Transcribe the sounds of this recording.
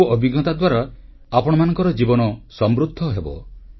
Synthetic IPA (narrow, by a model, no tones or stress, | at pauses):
ɔbiɡɔt̪ad̪waɾa | apɔɽ̃ɔmanɔ̃ŋkɔɾɔd͡ʒibɔnɔsɔmɾud̪ʱːɔɦebɔ̰